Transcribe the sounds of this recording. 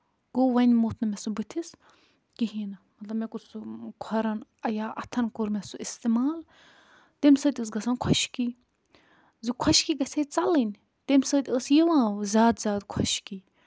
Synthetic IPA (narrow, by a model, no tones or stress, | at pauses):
ɡ̥oːʋɐnʲmoːt̪ʰnɐmesubɨt̪ʰis | kiɦiːnɐmɐt̪lɐbmekusukʰɐɾɐnɐjaːʔɐt̪ʰɐnkuɾmesuist̪emaːl | t̪emʲsəːt̪ʲəːs̬ɡɐsaːnkʰɐʃkiː | zikʰɐʃkiːɡɐseːt͡sɐlɨnʲ | t̪emʲsəːt̪ʲəsjiʋãːzʲaːd̪zʲaːd̪kʰɐʃkiː